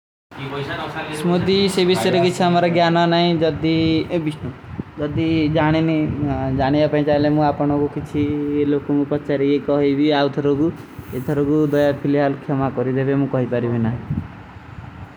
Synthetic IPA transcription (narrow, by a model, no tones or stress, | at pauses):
smud̪isebiseɾekit͡ʃʰiamaɾɔɡjanɔnaɦĩd͡ʒɔd̪ibisnud͡ʒɔd̪id͡ʒaɽ̃inid͡ʒaɽ̃iapaĩt͡ʃaɦilemũapɔɽ̃ɔkukit͡ʃʰielokomũpɔt͡ʃaɾiɡekɔɦibiaut̪ʰɔɾoɡuet̪ʰɔɾoɡud̪ɔjapʰiliɦalkʰɔmakɔɾid̪ebemũkɔɦipaɾibinaɦĩ